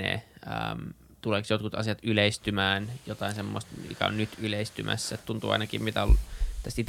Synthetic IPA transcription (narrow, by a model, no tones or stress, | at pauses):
ḛːə̰ːm | t̪uleːksjot̪kut̪ɑ̰siɑt̪yleist̪ymæːnjot̪ɑinsemːo̰st̪ḭkæ̰o̰nnyt̪yleist̪ymʔæ̰sːæet̪t̪unt̪ṵːɑ̰inɑkimmit̪æolt̪æst̪it̪